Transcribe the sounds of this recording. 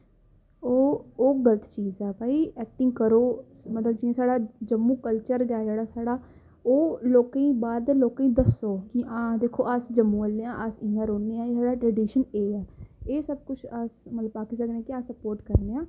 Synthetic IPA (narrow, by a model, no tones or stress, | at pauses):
oːoːɡələt̪t͡ʃiːzɛːbaːiːɛːk̚ʈɪ̃ŋɡ̚kəɾoː | mət̪ləbd͡ʒĩsaːɽaːd͡ʒəmːũːkəlt͡ʃəɾɡaːd͡ʒeːɽaːsaːɽaː | oːloːkːĩːbaːɾd̪eːloːkĩːd̪əsoːkiʔãːd̪eːkʰːoːasd͡ʒəmːũːəlːeãːʔəsɪ̃ãːɾoːneːaːeːsaːɽaːʈɾɛːɖiːʃəneːɛːeːsəb̚kʊt͡ʃʰasmət̪ləbaːkiːsəknẽːkɪaːsəpoːɾʈkəɾneːãː